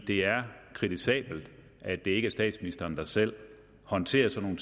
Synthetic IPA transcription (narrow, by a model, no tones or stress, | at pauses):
d̥e̝æɐkʰʁit͡sʰisɛ̰ːb̥l̩d̥ | ʔæd̥e̝e̝ɡ̥æsd̥ɛ̰ːd̥sminisd̥ɐːnd̥ɑsel̰ | hɒ̽nt͡sʰe̝̰ːɐsɒ̽no̝ːn̩